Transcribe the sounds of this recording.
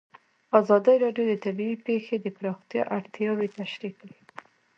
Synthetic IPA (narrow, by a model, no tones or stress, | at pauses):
azɑd̪əjɾɑɖjod̪ət̪abiipexed̪əpɾɑxt̪jɑ̰ʔaɽt̪jɑwet̪aʃɾikwi